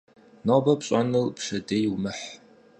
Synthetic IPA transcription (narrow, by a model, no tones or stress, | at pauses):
nabɐpɕʼanɨlpʂɐdejwmɨħ